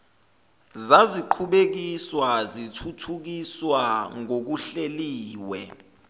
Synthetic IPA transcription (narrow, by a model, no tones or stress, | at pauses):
zaziǃʰuɓek̬iswazitʰutʰuk̬iswaŋok̬uɬeliːwɛ